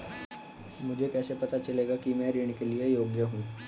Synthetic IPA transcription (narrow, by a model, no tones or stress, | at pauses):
mʊd͡ʒʱekɛːsepɐt̪at͡ʃɐleːɡakimɛ̃ːɾɪɽ̃keliejoːɡjəɦũː